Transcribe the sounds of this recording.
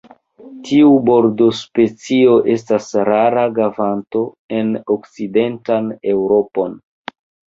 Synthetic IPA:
tʰiubo̞ɾdo̞spe̞t͡sio̞ʔe̞stasɾaɾaɡavanto̞ | e̞nokt͡side̞ntane̞wɾo̞po̞n

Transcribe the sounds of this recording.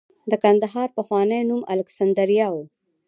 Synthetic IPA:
d̪əkand̪aɦɑɾpaxwɑnəjnuma̰laksand̪əɾijɑwo

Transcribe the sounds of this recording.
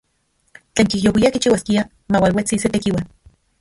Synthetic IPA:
t͡ɬeːŋkihjowiakit͡ʃiwaskia | mawalwet͡siset̪ekiwan

